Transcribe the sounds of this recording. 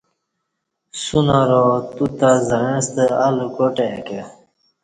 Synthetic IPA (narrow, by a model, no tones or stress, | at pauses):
sunaɾot̪ut̪azəɾẽst̪əalukoʈeeke